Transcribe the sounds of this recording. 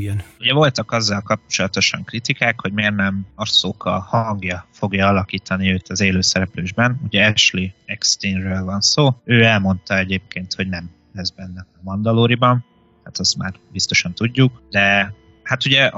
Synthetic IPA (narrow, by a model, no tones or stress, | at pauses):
ɡɛnuɟɛvo̞lt̪ɒkɒzːɒlkɒp̚t͡ʃo̞lɒt̪o̞ʃɒŋkrit̪ikaːkho̞ɟmeːrnɛmɒrsoːkːɒ̰lhɒŋɡjɒfo̞ɡjɒɒlɒkiːt̪ʰɒniøːt̪ɒzeːløːsɛɾɛpløːʒbɛnuɟɛɛʃliɛkst̪iːnrøːlvɒnsoːøːɛlmo̞n̪t̪ɒɛɟeːp̚keːnt̪ho̞ɟnɛm | lɛzbɛnːɛɛmɒnd̪ɒloːɾibɒn | hat̪ɒst̪ma̰ːrbist̪o̞ʃɒnt̪uɟːukd̪ɛ | hat̪uɟɛ